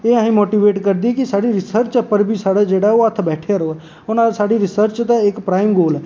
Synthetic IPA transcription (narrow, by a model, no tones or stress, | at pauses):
eãɦĩmoːʈiːʋeːʈkəɾd̪ikisaːɽiɾɪsəɾt͡ʃəpːəɾbʱisaːɽed͡ʒeːɽaoət̪ʰbɛːʈʰeɾoɛ | ʊnãsaːɽiɾɪsəɾt͡ʃt̪eekpɾaːɪmɡoːlɛ